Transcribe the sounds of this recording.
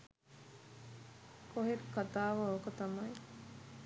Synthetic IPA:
koɦeɾkːat̪aːʋaokət̪ɐmɐj

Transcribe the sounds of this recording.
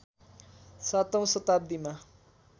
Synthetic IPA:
sat̪ʌw̃sʌt̪ab̚d̪ima

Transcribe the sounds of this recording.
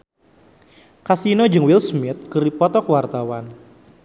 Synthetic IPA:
kasinod͡ʒɨŋwilsmɪt̪̚kɨɾipɔt̪ɔkwart̪awan

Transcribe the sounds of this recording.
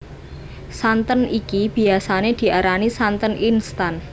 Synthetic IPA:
sant̪ənikib̥i̤asaned̪̥i̤ʔaɾanisant̪ənʔinst̪an

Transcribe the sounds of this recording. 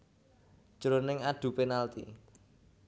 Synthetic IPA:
d͡ʒ̥ɾonɪŋaɖ̪̥ṳpenalt̪ḭ

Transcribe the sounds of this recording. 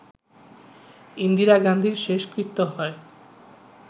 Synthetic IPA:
ind̪iɾaɡand̪ʱiɾʃeʃkɾit̪ːoɦɔe

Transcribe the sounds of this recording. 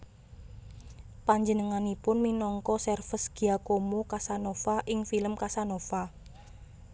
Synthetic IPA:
paɲd͡ʒənəŋanipʊnminɔŋkɔsɛrfəsɡ̥iakomokasanofaʔɪŋfiləmkasanofa

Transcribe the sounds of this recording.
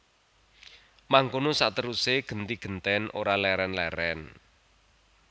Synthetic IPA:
maŋkonosa̰ʔt̪əɾuseɡ̥ə̤nt̪iɡ̥ə̤nt̪ɛnʔo̰ɾalɛɾɛnlɛɾɛn

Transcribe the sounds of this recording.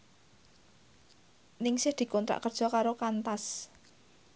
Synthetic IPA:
nɪŋsɪhd̪̥i̤kɔnt̪ɾa̰ʔkərd̥ʒ̥ɔ̤kaɾokant̪as

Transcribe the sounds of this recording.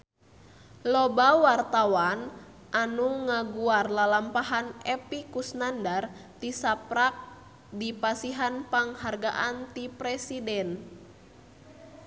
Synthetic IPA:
lɔbawart̪awan | ʔanuŋaɡuarlalampaɦanɛpikusnandart̪isapɾak̚ | dipasiɦanpaŋharɡaʔant̪ipɾɛsidɛn

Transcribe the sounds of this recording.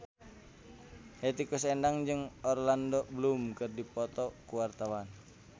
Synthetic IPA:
het̪ikusɛndaŋd͡ʒɨŋɔrlandɔbəlumkərdipɔt̪ɔkuwart̪awan

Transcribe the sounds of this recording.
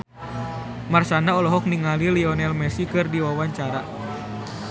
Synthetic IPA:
marsanaɔlɔɦɔk̚niŋaliliɔnɛlmɛsikɨrdiwawaɲt͡ʃaɾa

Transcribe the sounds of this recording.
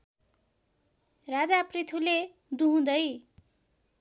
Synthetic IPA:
rad͡zaprit̪ʰule | d̪uɦũd̪ʌj

